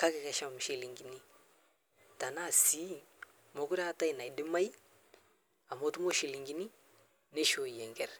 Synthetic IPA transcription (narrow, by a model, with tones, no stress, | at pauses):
ka˦kɛ˨kɛ˨ʃa˦m˨ʃe˨li˨ŋɡi˨ni˦ | ta˨na˦˨si˦ | mo˨ku˦ɾa˦ta˦ji˨na˨i˨dɪ˦ma˦j | a˨mo˨˦tu˦mo˦ʃe˨li˨ŋɡi˦ni˦ | ne˦ʃo˨jɛ˨ŋɡɛ˦ɾ